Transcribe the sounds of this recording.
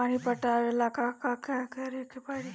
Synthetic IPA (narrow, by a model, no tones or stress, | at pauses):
aɽ̃ipəʈaɾelakakakakəɾekepaɽi